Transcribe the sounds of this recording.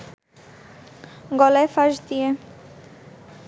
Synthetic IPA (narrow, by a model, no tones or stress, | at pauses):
ɡɔlaefaʃd̪ije